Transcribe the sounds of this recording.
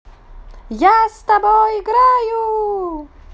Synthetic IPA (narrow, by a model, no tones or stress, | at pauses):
jast̪abɔːjɡɾaːju